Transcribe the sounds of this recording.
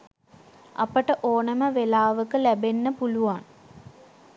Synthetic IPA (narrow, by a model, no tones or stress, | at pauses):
ɐ̰pəʈəʔoːnəməʋelaːʋəkəlæbenːəpuluʋaŋ